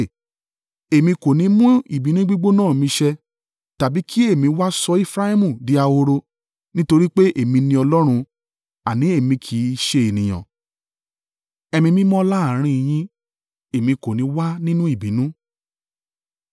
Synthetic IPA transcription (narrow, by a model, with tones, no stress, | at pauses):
e˨mĩ˧ko˨nĩ˨˧˦mũ˦ḭ˨bi˨˦nũ˦ɡ͡bi˦ɡ͡bo˦nãː˦˨mĩ˧ʃɛ˧ | ta˨bi˨˦ki˦e˦˨mĩ˧wa˦sɔ˧˦e˦˨fɾa˦i˦mũ˨di˨˦a˧o˧ɾo˧ | nĩ˦to˧ɾi˦k͡pe˦ʔe˨mĩ˧nĩ˧ɔ˧lɔ˦ɾ̃ũ˧ | a˨nĩ˨˦e˦˨mĩ˧kʰi˨˦ʃe˧e˨nĩ˨j̃ã̰˨ | ɛ˧mĩ˧mĩ˦mɔ̃˦la˦a˨ɾ̃ĩ˧i˨j̃ĩ˦ | e˨mĩ˧ko˨nĩ˨˦wa˦nĩ˦nũ˦i˦˨bĩ˨˦nũ˦